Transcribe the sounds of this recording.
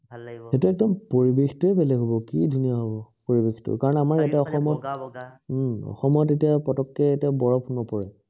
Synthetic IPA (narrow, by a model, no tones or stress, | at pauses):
hetuɛk̚dɔmpoɹibexi̥tuebɛlɛɡʱɦɔbɔkḭdʱunijaɦobɔpoɹibextʊ̰kaɹɔnamaɹjatɛɔxɔmɔt | ɔ̰xɔmɔtetiapɔtɔkːɛetiabɔɹɔpʰunbɔpɔɹɛ